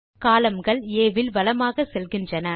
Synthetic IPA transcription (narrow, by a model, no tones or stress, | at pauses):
kaːlɐmɡɐɭeːʋɪlʋɐlɐmaːɣɐsɛlɣɪndrɐnɐ